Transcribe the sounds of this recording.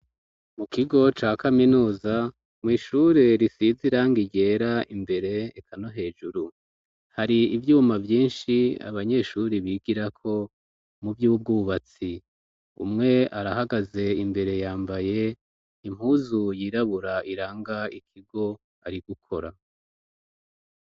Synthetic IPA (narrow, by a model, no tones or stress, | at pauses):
mukiɡo̞t͡ʃaːkaminuːza | mŋiːʃuɾe̞ɾisiziɾaːŋɡiɟe̞ːɾaimbe̞ɾe̞ekʰano̞ɦe̞ːd͡ʒuɾu | haɾiivjuːmavjiːnʃia̰βaɲe̞ʃuɾiβiɡiɾakʰo̞ | mubjuːb̚ɡuːβat͡si | ṵmŋe̞aɾahaɡaze̞imbe̞ɾe̞jaːmbaje̞ | im̥huːzujiːɾaβuɾaiɾaːŋɡaikʰiɡo̞ | aɾiɡ̥ukʰo̞̰ɾa